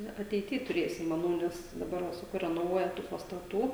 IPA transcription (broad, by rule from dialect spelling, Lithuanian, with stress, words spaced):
ˈnʊ ɐtʲɛɪˈtʲiː tʊˈrʲeːsʲɪm mɐˈnɐʊ nʲɛs dɐˈbɐr ʋɐ sɐˈkɐʊ rʲɛnoːˈʋuɔjɛ tuː pɐstɐˈtuː